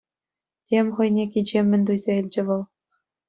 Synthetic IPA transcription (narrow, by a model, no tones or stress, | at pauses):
tʲemʲχɤ̆jnʲekʲid͡ʑemʲːɘ̆nʲd̪ujzʲeilʲd͡ʑɘ̆ʋɤ̆lˠ